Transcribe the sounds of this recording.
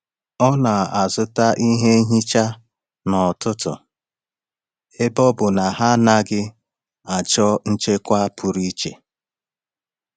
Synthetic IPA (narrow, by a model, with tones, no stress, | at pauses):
ɔ˦na˨a˨zʊ˦ta˦ʔi˦ɦe˦ɦi˦t͡ʃa˦ | nɔ˨tʊ˦tʊ̰˨ | e˦bɔ˦bʊ˨na˨ɦa˦na˦ɡɪ˦ | a˨t͡ʃɔ˦n̩˦t͡ʃe˦kʷa˦a˦pʰʊ˨ɾi˦t͡ʃḛ˨